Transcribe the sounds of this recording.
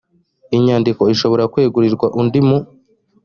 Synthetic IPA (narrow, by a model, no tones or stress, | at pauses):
iɲaːndiko̞iʃo̞βo̞ɾakwe̞ːɡuɾiɾɡwaʔundimu